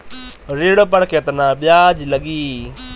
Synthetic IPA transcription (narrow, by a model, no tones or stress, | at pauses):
ɾeːɽopəɽkʰet̪nãːɓjaːd͡ʒləɡiː